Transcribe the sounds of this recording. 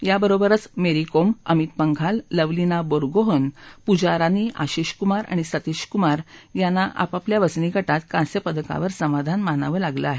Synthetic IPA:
jabəɾobəɾət͡smeɾikoməmit̪̚pəŋɡʱalːəʋlinaboɾɡoɦənpud͡ʑaɾaniʔa̰ɕiɕkumaɾa̰ɽ̃isət̪iɕkumaɾjanːaʔa̰papljaʋət͡sniɡʱəʈat̪̚kãsjəpəd̪əka̰ʋəɾsəmad̪ʱanmanaʋəːlaɡləaɦe

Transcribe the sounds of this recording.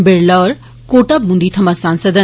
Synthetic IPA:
beɾləːɾ | koːʈəbɦũnd̪it̪ʰɐmɐsãːnsəd̪ə

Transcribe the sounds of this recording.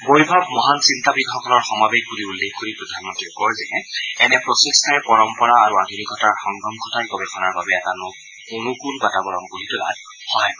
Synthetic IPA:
bojbʱabmɔɦansintabiɡɔkʰɔlɔɹxɔmabeɡkuɹiulːexkoɹipɹɔd̪ʱanmɔntɹiɛkɔɹzɛɦɛɛnɛpɹɔsistʰaɛpɔɹɔmpɔɹaːɹuadʱunikɔtaɹxɔŋɡɔmkʰɔtajkɔbɛxʰɔnaɹbabɛɛtanʊk | kʊnʊkʊnbatabɔɹɔnkolitʊla̰d | hɔaj

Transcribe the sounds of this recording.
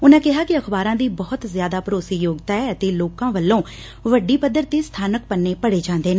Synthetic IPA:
ʊnãːkɪɦaːkɪəkʰbaːɾãːd̪iːbɔːʊt̪zjaːd̪aːpɾoːsiːjoːɡt̪aːɛət̪eːloːkãːʋəlːõː | ʋəɖiːpəd̪ːəɾt̪iːst̪ʰaːnək̚pənːeːpəɽeːd͡ʒãːnd̪eːne

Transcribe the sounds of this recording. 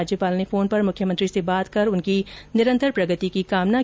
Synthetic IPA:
d͡ʒjəpaːlnifoːnpɐɾmʊkʰjəmə̃nt̪ɾisebaːt̪kɐɾʊnkinɪɾə̃nt̪ʰəɾpɾɐɡət̪ikikaːmna

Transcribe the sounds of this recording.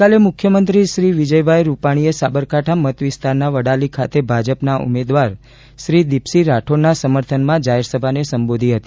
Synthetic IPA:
alemʊkʰjəmənt̪ɾiʃɾiʋid͡ʒəjbʱajɾupaɽ̃iesabəɾkaʈʰamət̪ʋɪst̪aɾnaʋəɽalikʰat̪ebʱad͡ʒəpnaʔṵmed̪ʋaɾ | ʃɾid̪ipsiɾaʈʰoɾnasəməɾt̪ʰənmãd͡ʒaɦeɾsəbʱanesəmbod̪ʱiɦət̪i

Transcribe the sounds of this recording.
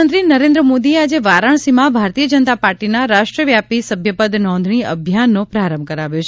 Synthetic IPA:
ənt̪ɾinəɾẽnd̪ɾəmod̪iead͡ʒeʋaɾaɳ̃simãbʱaɾt̪ijəd͡ʒənt̪apaɾʈinaɾaʃʈɾəʋjapisəbʱjəpəd̪nɔ̃nd̪ʱɳiə̰bʱjanːopɾaɾəmbʱəkəɾaʋjot͡ʃʰ

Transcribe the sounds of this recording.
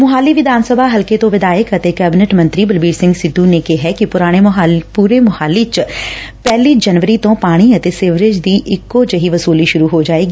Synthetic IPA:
mʊɦaːliːʋɪd̪aːnsəbʱaːɦəlkeːt̪õːʋɪd̪aːjəkət̪eːkɛːbɪnɛʈmə̃nt̪ɾiːbəlbiːɾsɪ̃ŋɡsɪd̪ːuːneːkeɦɛːkɪpʊɾaːɽ̃eːɦpuːɾeːmʊhaːliːt͡ʃpɛːliːd͡ʒənʋəɾiːt̪õːpaːɽ̃iːət̪eːseːʋɾed͡ʒd̪iːʔɪkːoːt͡ʃəɦiːʋəsuːliːʃʊɾuːɦoːd͡ʒaːeːɡiː

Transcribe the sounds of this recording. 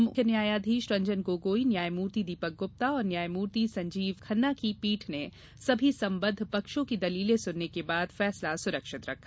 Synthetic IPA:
mʰnjaːjaːd̪ʱiːʃɾɐ̃ɲd͡ʒənkoːɡoːinjaːjmuːɾt̪id̪iːpək̚ɡʊp̚t̪aɔːɾnjaːjmuːɾt̪isɐ̃ɲd͡ʒiːʋkʰɐnːakipiːʈʰne | sɐbʱisɐ̃mbə̃nd̪ʱpɐkʃõkid̪ɐliːlesʊnːekebaːd̪fɛːslasʊɾəkʃɪt̪ɾɐkʰ

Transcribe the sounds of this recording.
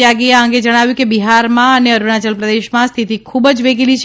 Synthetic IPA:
aɡiaəŋɡed͡ʒəɽ̃aʋjũkebiɦaɾmãəneəɾuɽat͡ʃəlpɾəd̪eʃmãst̪ʰit̪ikʰubəd͡ʒʋeɡilit͡ʃʰ

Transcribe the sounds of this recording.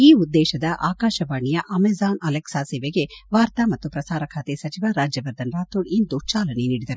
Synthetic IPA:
iːud̪ːɛːʃɐd̪ɐʔaːkaːʃɐʋaːɳijɐʔɐmezaːnɐleksaːseːʋeɡeʋaːɾt̪amɐt̪ːupɾɐsaːɾɐkʰaːt̪esɐt͡ʃiʋaɾaːd͡ʒjɐʋɐɾd̪ɐnɾaːt̪uɖind̪ut͡ʃaːlɐneniːɽid̪ɐɾu

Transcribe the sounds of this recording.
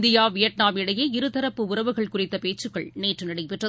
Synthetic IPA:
d̪ɪjaːʋɪjɐʈ̚naːmɪɽɐjeːɪɾɯt̪ɐɾɐpːɯʊɾɐʋɯɣɐɭkʊrɪt̪ːɐpeːt͡ʃːɯɣɐɭneːʈrɯnɐɪɽɐɪpːɛʈrɐ

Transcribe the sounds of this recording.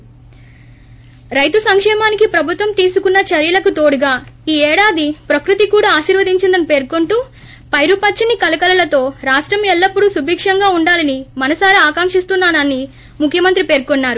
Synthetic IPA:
ɾɐjt̪usɐŋkʂɛːmaːnikipɾɐbʱut̪ʋɐmt̪iːsukunːɐt͡ʃɐɾjɐlɐkut̪oːɽuɡaːiːɛːɽaːd̪ipɾɐkɾut̪ikuːɽaːaːʃiːɾʋɐd̪iɲt͡ʃind̪ɐnipe̞ːɾkoɳʈu | pɐjɾupɐt͡ʃːɐnikɐlɐkɐlɐlɐt̪o̞ːɾaːʂʈɾɐmɛlːɐpːuɽusubʱiːkʂɐŋɡaːuɳɖaːlɐnimɐnɐsaːɾiaːkaːŋʂist̪unːaːnɐnːi | mukʰːjɐmɐnt̪ɾipe̞ːɾkonːaːɾu

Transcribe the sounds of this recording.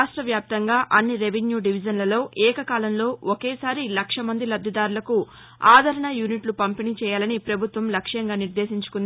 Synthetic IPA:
aːʂʈɾɐʋjaːp̚t̪ɐŋɡaːʔɐnːiɾe̞ʋenjuːɖiʋid͡ʒɐnlɐlo̞ːʔɛːkɐkaːlɐmlo̞ːɔkeːsaːɾilɐkʂɐmɐnd̪ilɐb̪ʱɐd̪aːɾulɐku | aːd̪ʱɐɾɐɳɐjuniʈlupɐmpinit͡ʃɛːjaːlɐnipɾɐbʱut̪ʋɐmlɐkʂjɐŋɡaːniɾd̪e̞ːsiɲt͡ʃu̥kund̪i

